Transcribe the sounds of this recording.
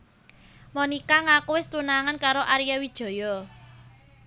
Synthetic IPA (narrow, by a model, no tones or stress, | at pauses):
mɔnikaŋakuwɪst̪unaŋankaɾoʔaɾijawid̥ʒ̥ɔ̤jɔ